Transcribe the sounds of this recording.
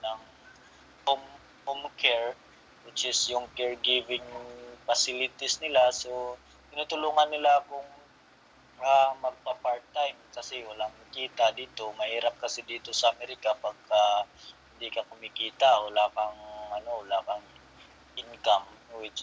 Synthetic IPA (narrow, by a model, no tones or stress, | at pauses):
nɐŋ | hom | homkʰɛɹ | wɪt͡ʃɪsjʊŋkɛɹɡivɪŋfɐsɪlɪt̪ɪsnɪlaso | t̪ɪnuːt̪ʊluːŋɐnːɪlakʊŋ | ʔamɐɡ̚pɐpaɹt̪̚ːajmkɐsɛwɐlaŋmɐkiːt̪ad̪iːt̪o̞mɐhiːɾɐp̚kɐsɛd̪iːt̪o̞sɐɐmɛɾɪkapaɡ̚kahɪnd̪ikɐkʊmikiːt̪awɐlaːkɐŋʔɐno̞wɐlaːkɐŋ | ʔɪnkam | wɪt͡ʃ